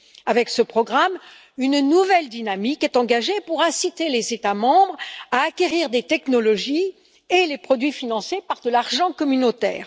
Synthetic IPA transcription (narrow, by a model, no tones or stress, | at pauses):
avɛksəpχɔɡʁam | ynnuvɛld̪inamikɛt̪ɑ̃ɡaʒepuʁɛ̃sit̪elezet̪amɑ̃bʁaːkʲeʁiʁd̪et̪ɛknɔlɔʒi | elepχɔd̪ɥifinɑ̃sjepaʁd̪əlaʁʒɑ̃kɔmynot̪ɛ̰ːʁ